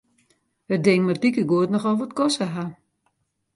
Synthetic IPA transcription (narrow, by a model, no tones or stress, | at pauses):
ədɪŋmardikəɡuətnɔxɔlˠʋɔtkɔsəɦa